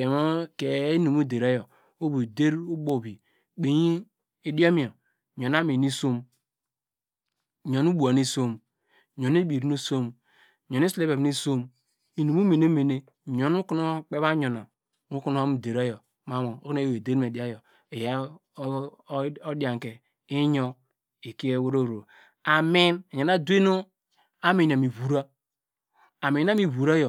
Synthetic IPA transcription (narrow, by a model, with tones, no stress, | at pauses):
e˨mo˦ke˨˦nu˨mu˦˨de˨ɾo˦jo˨ | o˦bu˨de˦ɾu˦ɡ͡bo˦˨bi˨ | k͡pe˨ɲi˦ | e˨do˦mi˦˨o˨ | ɲo˨na˦me˨ni˦so˦m˨ | ɲo˨nu˦bu˨a˨ni˦so˦m˨ | ɲo˨n˦e˦bi˨ɾnu˦so˦m˨ | ɲo˨n˦i˦sle˦be˨bni˦so˦m | i˨nu˨mu˦me˨ne˦me˨ne˦˨ | ɲo˨n˦u˦ku˦no˦k͡pe˦βa˦ɲo˨na˨ | u˦ku˦no˦o˦mi˨de˨ɾa˦jo˨ | ma˦mo˨o˦ku˦ne˦je˨de˦ɾme˨di˨˦a˦jo˨ | e˨ja˨˦ | o˦dja˨ŋ˨ke˨ | i˦ɲo˦ | e˨ki˦e˦wo˦ɾo˦˨ɾo˨ | a˨mi˦na˨ɲa˨na˦du˦e˦no˦ | a˦mi˨n˨a˨mi˨βu˨ɾa˦ | a˨mi˨na˦mi˨βu˨ɾa˦jo˨